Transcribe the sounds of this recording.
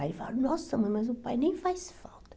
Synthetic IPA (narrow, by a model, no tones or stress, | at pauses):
ajva̰ɾunɔsɐmojmɐzʊpajnẽj̃fajsfa̰lˠt̪ɐ̥